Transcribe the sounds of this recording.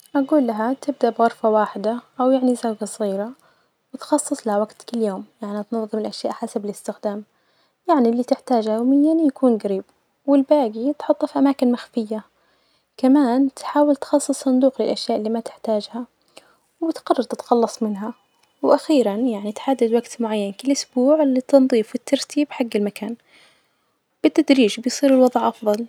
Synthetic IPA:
ʔaɡuːlːaɦat̪ɪb̚d̪aʔbɣɑɾˤfawaːħɪd̪aʔawjaʕnizawɡasˤɣiːɾa | wɪt̪xɑsˤːɨsˤlahawaɡt̪kɪljoːmjaʕniat̪nɑðˤːɨɾmɪlʔaʃjaːʔħasabɪlɪst̪ɪxd̪aːm | jaʕnilːiːt̪ɪħt̪aːd͡ʒhawmɪnjanjakuːnɡaɾiːb | wɪlbaːɡit̪ħʊt̪ˤːfiʔamaːkɪnmaxfɪjːa | kamaːnt̪ħaːwɪlt̪xɑsˤːɨsˤːɑnd̪uːqlɪlʔaʃjaːʔɪlːiːmat̪ɪħt̪aːd͡ʒha | wbɪt̪ɡɑrˤːɑɾˤt̪ɪt̪xɑlːɑsˤmɪnɦa | wʔaxiːɾanjaʕnit̪ħad̪ːad̪waɡt̪mʊʕajːankɪlʔʊsbuːʕlit̪ɨnðˤiːfɪt̪ʰːɑɾˤt̪ʰiːbħaɡːɪlmakaːn | b̥ɪt̪ːad̪ɾiːʒbɪjsˤiːɾɪlwɑðˤʕʔɑfðˤɑl

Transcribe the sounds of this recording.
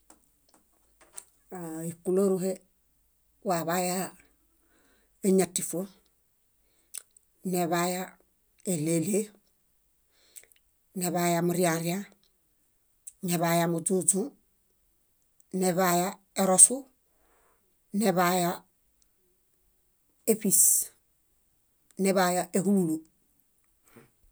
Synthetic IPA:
aikuloɾuɦe | waβaja | eɲatifu | neβaja | elele | neβajamoɾiaɾia | neβajamutot͡ʃu | neβaja | eɾosu | neβaja | efis | neβajaʔekululu

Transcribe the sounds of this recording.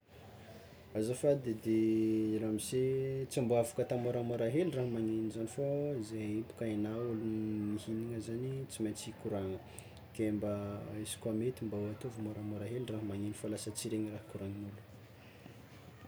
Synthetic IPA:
azafad̪ed̪eɾamizet͡sambuavukət̪amoɾamoɾaɦeliraɦamaŋenizanifoizeipu̥kaenawulumihiniŋəzanit͡simant͡sikuɾaŋə | kembəisi̥kwamet̪imbauat̪uvumoɾamoɾaɦeliraɦəmaŋenifalasət͡siɾeŋirahkuɾaŋinulu̥

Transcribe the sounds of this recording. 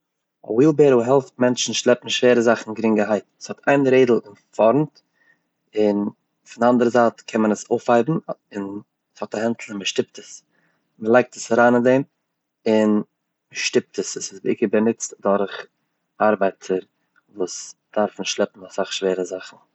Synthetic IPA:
ɔ̰wiːlˠbeːɾoɦɛlˠft̚mɛnt͡ʃn̩ʃlˠɛpm̩ʃveːɾəzaχn̩ɡɾɪŋɡəɦaɪtəshɔtʰaɪnɾeɪdl̩ˠɪnfɔɾmt | ɪn | fɪndandəɾəzaːtkʰɛnmənəsoʊfhaɪbm̩ɪn | shɔtahɛntʰl̩ˠɪməʃtɪp̚təs | məlˠaɪk̚təsaɾaːnɪndɛɪm | ɪn | məʃtɪp̚təsəsɪsbɪ̰kəbənɪt͡stdɔɾχ | aɾbaɪtʰəɾ | vuːsd̥aɾfnɪʃlˠɛpm̩asaχʃveːɾəzaχn̩

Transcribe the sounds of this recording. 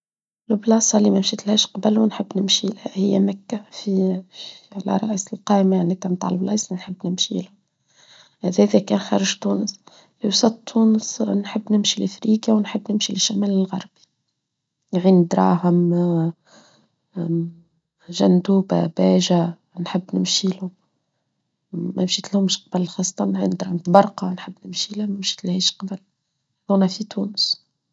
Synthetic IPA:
lʊblɑːsˤɑlimæmʃiːt̪lhæːʃqɑbalwɪnħɪbːnɪmʃilhhɪjːæmækːæfi | lʔa̰ɾˤɑʔiːsɪlqɑːʔmaaʕnit̪æmt̪a̰ːʕlblɑ̰ʔisˤɑnħəbːnɪmʃilhæ | hæðæːðækɛːnxɑɾˤɑʒt̪uːnəs | fiwsˤɑt̪t̪ʰːuːnəsnħəbːnɪmʃilʔfɾiːkjawnħɪbːnɪmʃilɪʃːæmæːlɪlɣɑɾˤbi̥ | nʕind̪ɾˤɑ̰ːɦəm | ʒænd̪uːb̰bæːʒa | nħəbːnɪmʃilʊm | mæmʃiːt̪lhʊmʃqɑbəlxɑːsˤːɑ̥t̪ˤɑnʕḭnd̪ɾˤɑːhəmt̪bɑɾˤqɑnħəbːnɪmʃilmæmʃi̥ːt̪lhiːʃqɑbəl | ðuːnæfit̪uːnəs

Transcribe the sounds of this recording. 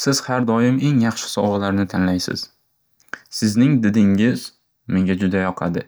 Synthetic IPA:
sɪz̥haɾd̪ɒjɪme̞ŋjɑχʃɪ̥sɒwɒlaɾnɪt̪ʰanlajsɪ̰z̥ | sɪznɪŋd̪ɪd̪ɪŋɪz̥ | me̞ŋɡʲad͡ʒʊd̪ajɒqʰɑ̰d̪ɪ

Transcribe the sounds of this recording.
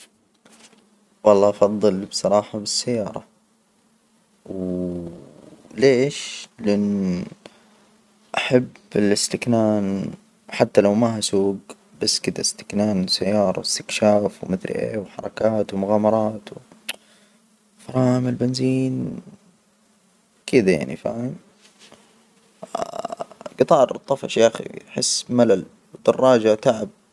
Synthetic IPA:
wɑlˤːɑːʔɑfɑðˤːɨlbsˤɑɾˤɑːħabɪsːajːɑːɾˤɑ̰ | w | leːʃlɪʔɪnː | ʔaħabːɪlɪst̪ɪknaːn | ħat̪ːalawmaɦasuːɡ | basːkɪd̪ast̪ɪ̥knaːnsajːɑːɾˤɑ̰wɪst̪ɪkʃaːfwmɪθlʔḛːwħɑɾˤɑkaːt̪wmʊɣaːmɑɾˤɑːt̪w | fɾˤɑːmɪlbɪnziːn | kɪd̪aja̰ʕnḭfa̰ːm | ɡɨt̪ˤɑːɾˤt̪ˤːɑfɑ̰ʃjʔaxḭħɪsːmalal | wd̪̥ɑrˤːɑːd͡ʒat̪aʕɪb̚

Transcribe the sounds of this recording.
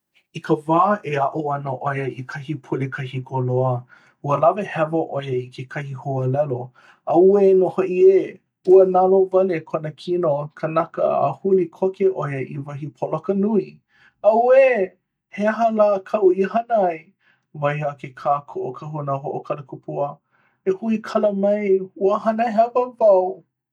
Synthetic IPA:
ikʰəvaːʔeɐʔoɐnəʔojəikʰɐhipʰulikʰɐhikʰoloə | uəlɐvehɛvɐʔojəikʰekʰɐhihoəlɛlo | ɐwenohoʔie | uənalovɐlekʰonəkʰinokʰənɐkə̰a̰hulikʰokeʔojəʔḭvɐɦipʰolokənui | ɐwe | heaɦəlaːkʰɐʔuihɐnəɐj | vɐjɦakʰekʰaːkʰoʔokʰɐhunaɦoʔokʰɐləkʰupʰuə | ehuikʰɐləmɐjuəɦɐnəɦɛvəvɐw

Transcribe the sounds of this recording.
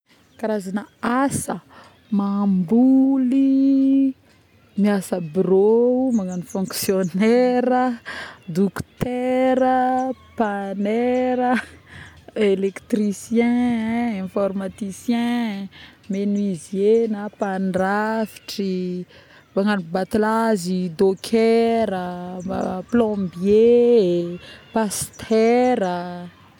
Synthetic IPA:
kaɾazanaasə | mambuli | miasəbɾoumaŋanifɔ̃ŋksjonɛɾəd̪ukt̪ɛɾəpanɛɾə | elekt̪risjɛ̃ɛ̃fɔrmat̪isjɛ̃ | menuizenapanrafi̥ʈ͡ʂi | baŋanbat̪ilazid̪okʰɛɾə | plɔ̃bje | past̪ʰɛɾə

